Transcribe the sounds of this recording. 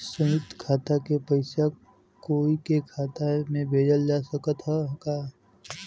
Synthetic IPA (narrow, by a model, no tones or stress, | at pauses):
səmɪt̪kʰaːt̪akepəɪsa | koːikekʰaːt̪amẽbʱeːɖəld͡ʒaːsəkət̪ɦɛkaː